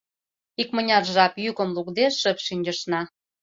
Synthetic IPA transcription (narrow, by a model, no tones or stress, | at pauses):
ikmə̆nʲɑrʒɑpjykə̆mlukd̪eʃə̆pʃynʲd͡ʑə̆ʃnɑ